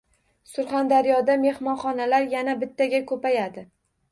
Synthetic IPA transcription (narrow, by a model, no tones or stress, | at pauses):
sʊɾχand̪aɾijɒd̪ame̞hmɒnχɒnalaɾjanabɪt̪ʰːaɡʲakʰɵpajad̪ɪ